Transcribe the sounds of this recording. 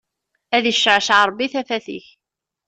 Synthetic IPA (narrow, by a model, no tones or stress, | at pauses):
æðiʃːəʕʃʕɾˤbːiθæfæθḭç